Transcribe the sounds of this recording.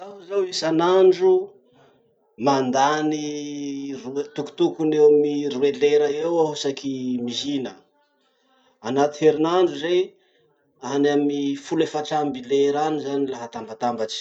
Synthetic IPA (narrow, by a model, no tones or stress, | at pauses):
t̪aɦuzawisanaɳɖ͡ʐu | mand̪ani | rut̪uku̥t̪ukunewmiɾueleɾəewausakimiɦinə | anat̪iheɾinaɳɖ͡ʐuzej | anamifulefaʈ͡ʂambileɾanizanilaɦat̪ambat̪ambat͡ʃi̥